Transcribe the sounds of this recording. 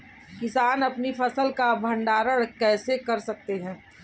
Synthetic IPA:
kɪsaːnɐpnipʰɐsəlkabʱɐ̃ɳɖaːɾəɽkɛːsekɐɾsɐk̚t̪eɦɛ̃ː

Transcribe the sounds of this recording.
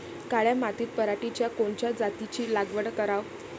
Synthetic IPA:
kaɭjamat̪iːt̪̚pəɾaʈit͡ɕjakoɳt͡ɕjad͡zat̪it͡ɕiːlaɡʋəɽkəɾaʋ

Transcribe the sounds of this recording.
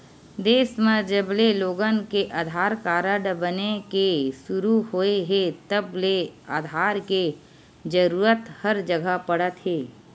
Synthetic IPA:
d̪eːsmẽd͡ʒəbleloːɡənkeʔaːd̪ʱaːɾkaːɾəɽbənekesʊɾuhoːeɦet̪əbleaːd̪ʱaːɾke | d͡ʒəɾuːɾət̪həɾd͡ʒəɡəpəɽət̪ɦeː

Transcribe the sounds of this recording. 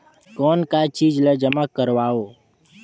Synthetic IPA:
kɔːnkaːt͡ʃiːd͡ʒləd͡ʒəmakəɾʋaːoː

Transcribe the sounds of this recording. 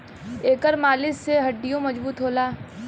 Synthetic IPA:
eːkəɾmaːlɪsːeɦɐɖːijõmɐd͡ʒbuːt̪ɦoːlaː

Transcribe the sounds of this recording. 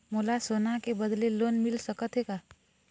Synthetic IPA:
moːlasoːnakebəd̪leloːnmɪlsəkət̪ɦeka

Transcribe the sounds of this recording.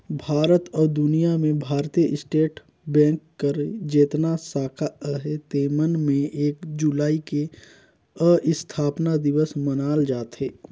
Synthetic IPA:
bʱaːɾət̪ɔːɾd̪ʊnijamẽbʱaːɾt̪ijəʔɪsʈeːʈ | bɛ̃ːkːəɾd͡ʒeːt̪nasaːkʰaəɦet̪eːmənmẽeːkd͡ʒulaːike | əʔɪst̪ʰaːpnad̪ɪʋəsmənaːld͡ʒaːt̪ɦeː

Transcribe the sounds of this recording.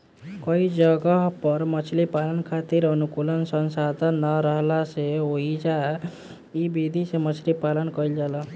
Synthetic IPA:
kʌid͡ʒʌɡaɦpʌɾmʌt͡ʃʰlipalənkʰat̪iɾʌnukulənsənsad̪ʱənːəɾʌɦlaseoid͡ʒa | ibid̪ʱisemʌt͡ʃʰlipalənkʌild͡ʒalə

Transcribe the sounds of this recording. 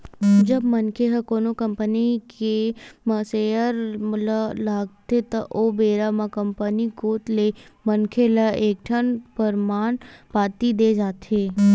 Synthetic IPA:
d͡ʒəbmənkʰeɦəkoːnokəmpənikeməsejəɾmləlaːɡt̪et̪əʔobeːɾamãkəmpənikoːt̪lemənkʰeləeːk̚ʈʰənpəɾmaːnpat̪id̪ed͡ʒaːt̪ʰe

